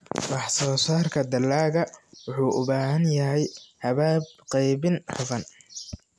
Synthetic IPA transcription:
wɑħsɔːsaːrkʰɐd̪ɐlːaːɣɐwʊħuːʔʊβaːɦɐnjɐɦɛjhɐβaːbqɛjβɪnħʊfɐn

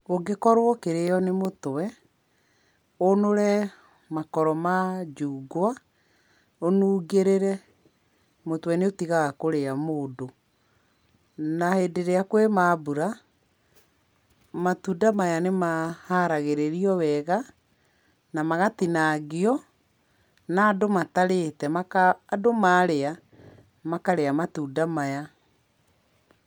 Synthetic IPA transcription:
oɡekɔɾwɔkeɾejɔnemotwɛ | onoɾɛ | makɔɾɔmad͡ʒuːɡwa | onuːɡeɾeɾɛ | motwɛneotiɣaɣakoɾeamoːdo | nahedeɾeakwemabuɾa | matudamajanemahaɾaɣeɾeɾiɔwɛɣa | namaɣatinaːɡeɔ | naːdomataɾetɛmakaːdomaɾea | makaɾeamatuːdamaja

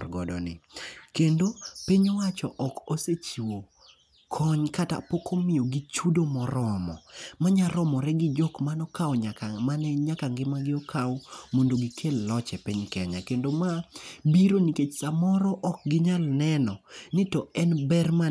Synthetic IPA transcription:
ɡɔ̰dɔ̰nɪ̰kendopiɲɔwat͡ʃɔʔɔkoset͡ʃiwo | kʰɔɲkata̰pokʰomɪoɡit͡ʃudomɔɾɔmɔ̰maɲaɾɔmɔɾɛɡɪd͡ʒɔkmanɔkawɲamanɛɲakaŋɡɪmaɡɪɔkʰaɔmondoɡɪkʰelːɔt͡ʃɛpiɲkɛɲa̰kendomabiɾoniket͡ʃsamɔɾɔʔɔk̚ɡɪɲalnɛnɔnɪtɔɛnbɛrma

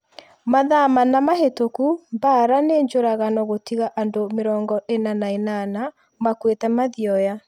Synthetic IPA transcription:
maðamanamaɦetokumbaɾaneɲd͡ʒoɾaɣanɔɣotiɣaʔandomeɾɔːŋɡɔʔenanaenana | makwetɛmaðiɔja

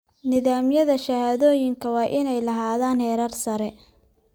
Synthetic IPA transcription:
nɪðaːmjɐðɐʃɐhaːðɔːjɪŋkʰɐwɑːʔɪnɛjlɐɦaːðaːnhɛːɾɐrsɐɾɛ

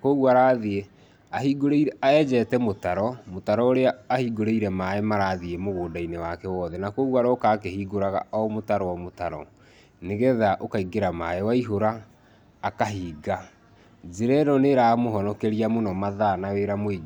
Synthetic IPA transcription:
koɣwaɾaðee | ahiɡoɾeiɾɛaɛd͡ʒɛtɛmotaɾɔmotaɾɔoɾeaːhiːɡoɾeiɾɛmaɛmaɾaːðiemoɣoːdainewakɛwɔːðɛnakoɣwaɾɔkaːkehiːɡoɾaɣa̰ɔmotaɾɔwamotaɾɔ̰ | neɣɛðaʔokaiɡeɾamaɛwaiɦoɾaː | kaɦiːɡa | zeɾɛɾɔneɾaːmoɦɔnɔkɛɾiamonɔmaðanaweɾamoeɡ

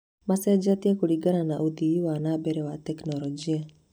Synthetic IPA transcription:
masɛd͡ʒat̪ijakuɽiɡaɾanaʔud̪iʋiwanabɛɾɛwat̪ɛknɔɾɔd͡ʒia

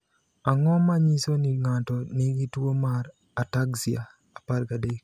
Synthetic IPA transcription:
aŋɔmaɲisoniŋatɔniɡitwomaɾ | ataksia | apaɾɡadek

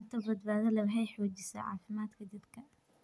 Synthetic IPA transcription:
t̪ʰɔbɐd̪baːðɐlɐwħɛjħɔːd͡ʒɪsɐ̰ʕɑ̰ːfɪmaːd̪kʰɐd̪ɐd̪kʰɐ

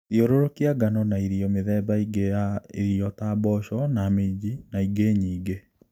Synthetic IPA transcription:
joɾoɾokiaɡanɔnaiɾiɔmɪðɛbaiɡeaeɾiɔtabɔʃɔnamed͡ʒinaiɡeɲiːɡe

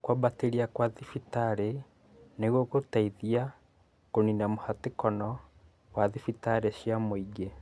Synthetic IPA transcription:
kwabateɾiakwaðifitaɾe | neɣwokotaiðia | koninamohatekɔnɔ | waðifitaɾeɕjamoiɡe

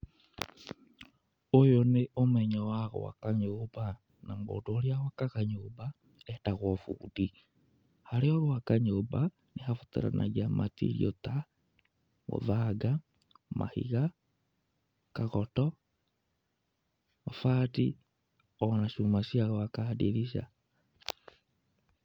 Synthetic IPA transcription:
ojoneʔomɛɲɔwaɣo̰wa̰kaɲoba | namɡo̰doːɾjawakaɣaɲoba | ɛtaɣwɔfṵːdi | haɾeɔɣowakaɲoba | nehafotḛɾa̰nʔa̰ɣiamatḭɾḭo̰ta | mo̰ðaɡa | ma̰hḭɣa | kaɣɔtɔ | mafati | ɔnaʃumasijaɣɔakadiɾiʃa̰

